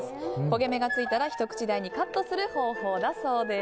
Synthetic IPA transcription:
ko̞ɡe̞me̞ɡat͡sɨit̪aɾaçi̥t̪o̞kɯ̟̥t͡ɕid̪aiɲ̟ikat̪ːo̞sɨɾɯ̟ho̞ːho̞ːd̪aso̞ːd̪e

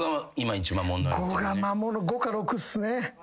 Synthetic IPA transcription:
ɡaaimait͡ʃimamonɡoɡamamonoɡokaɾokɯsɨne

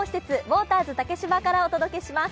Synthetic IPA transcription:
oçi̥se̞t͡sɨbo̞ːt̪aːzɨt̪ake̞ɕibakaɾao̞t̪o̞d̪o̞ke̞ɕimas

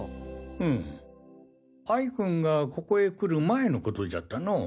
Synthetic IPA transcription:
ɯ̟̃ɴ | aikɯ̟̃ŋɡako̞koe̞kɯ̟ɾɯ̟mae̞no̞ko̞t̪o̞da̰t̪ːano̞

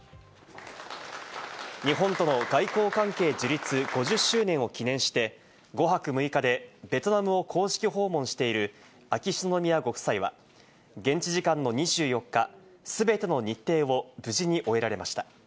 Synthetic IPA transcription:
ɲ̟iɦõ̞nt̪o̞no̞ɡaiko̞ːkãŋke̞ːd͡ʑiɾʲit͡sɨɡ̥o̞ʑɨɕːɨːnẽ̞ɰ̃o̞kʲinẽ̞ɰ̃ɕi̥t̪e̞ | ɡo̞ɦakɯ̟mɯ̟ikad̪e̞be̞t̪o̞namɯ̟o̞kʰo̞ːɕi̥kʲiɦo̞ːmõ̞ɰ̃ɕi̥t̪e̞iɾɯ̟ | akʲist̪ono̞mʲijaɡo̞kɯ̟̥saiβa̰ | ɡẽ̞ɲ̟t͡ɕiʑikãnːo̞ɲ̟iʑɨːjo̞kːa | sɨbe̞t̪e̞no̞ɲ̟it̪ːe̞ːβo̞bɯ̟ʑiɲ̟iʔo̞e̞ɾaɾe̞maɕi̥t̪ḁ

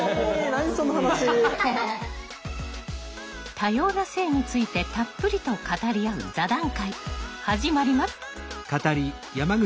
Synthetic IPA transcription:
sonːohana | t̪ʰajo̞ːnase̞ːɲ̟it͡sɨit̪e̞t̪apːɯ̟ɾʲit̪o̞kat̪aɾʲiaɯ̟̰zad̪ãŋkaihaʑimaɾʲimaskat̪aɾʲi | jamaɡɯ

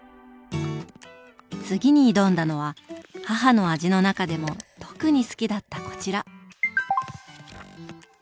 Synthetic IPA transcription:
t͡sɨɡʲiɲ̟iːd̪õ̞nd̪ano̞β̞ahaɦano̞aʑino̞nakad̪e̞mo̞t̪o̞̥kɯɲ̟isɨ̥kʲid̪at̪ːako̞̥t͡ɕiɾa

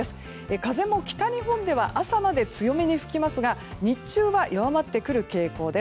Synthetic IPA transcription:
esɨ̥ | ekaze̞mo̞kʲi̥t̪aɲ̟iɦõ̞nd̪e̞β̞aʔasamad̪e̞t͡sɨjo̞meɲ̟iɸɯ̟̥kʲimasɨɡa | ɲ̟it͡ɕɨːβaʔjʔoβamat̪ːe̞kɯ̟ɾɯ̟ke̞ːko̞ːd̪e

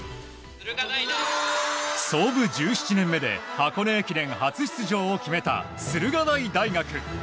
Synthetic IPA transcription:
so̞ːbɯ̟d͡ʑɨːɕi̥t͡ɕinẽ̞mːe̞d̪e̞̰hako̞ne̞ːkʲiɾẽ̞ŋ̃hat͡sɨɕi̥t͡sɨʑo̞ːokʲime̞t̪a̰ | sɨɾɯ̟ɡanaid̪aiɡakɯ̟

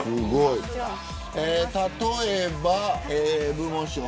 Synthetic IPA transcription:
ɨɡoi | et̪at̪oebaeːbɯmõɕio

